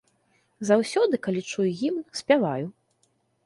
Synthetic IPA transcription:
zawsʲɔd̪ɨkalʲit͡ʂujujimsʲpʲavaju

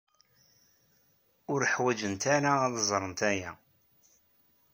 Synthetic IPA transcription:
ʊɾəħwæd͡ʒənt̪aɾaðəzˤɾˤənt̪æjæ

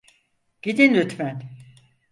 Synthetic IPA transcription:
ɟ̥id̪inɾyt̪mæn

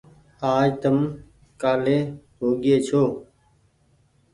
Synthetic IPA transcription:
aːd͡ʒt̪əm | kaːleːɦoːɡeːt͡ʃʰoː

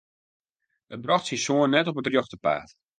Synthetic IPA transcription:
ət̚brɔxtsisuənːɛtɔpətrjoxtəpa̰ːt

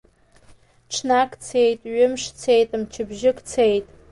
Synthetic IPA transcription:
ʈ͡ʂʰnakʰʼt͡sʰe̞jtʼɥʊmʂt͡sʰe̞jtʼamt͡ʃʰɪbʒɪkʰʼt͡sʰejtʼ

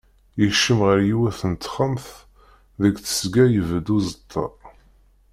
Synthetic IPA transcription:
jəʃːəmʁəɾjiwæθənt̪χəmθ | ðəɡθə̥sɡæjəvd̪uzət̪ʰːɑ̰

